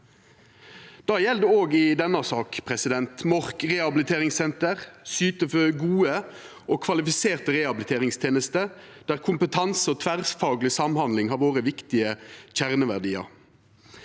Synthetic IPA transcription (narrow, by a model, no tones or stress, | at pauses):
d̪̥ɑːjɛld̪əoːɡɪd̪ɛnːɑsɑːkpʰʁɛsɪd̪ɛnt̪mɔʁkʁɛhɑbɪlɪt̪ʰeːʁɪŋsɛnt̪əʁsyːt̪əføɡuːə | oːkʰʋɑlɪfɪseːʁt̪əʁɛhɑbɪlɪt̪eːʁɪŋst̪ʰjeːnəst̪ə | d̪̥æːʁkʰʊmpət̪ʰɑnsəoːt̪ʰʋæʁsfɑːɡlɪsɑmhɑnd̪lɪŋhɑːʁʋoːʁəʋɪkt̪ɪəçæʁnəʋæʁdiːɑ̰